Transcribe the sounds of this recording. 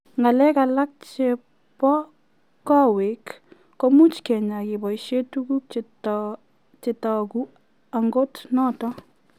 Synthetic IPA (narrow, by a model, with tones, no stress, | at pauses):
ŋɡa˨lɛ˦ka˨la˦k̚t͡ʃe | pɔ˦ | kɔ˦we˨kː | o˦mu˦t͡ʃkɛ˨ɲa˨kɪ˨bɔ˨jʃe˦tuku˦k̚ | t͡ʃɪ˨tɔku | a˨ŋɡo˦tnɔ˦tɔ˦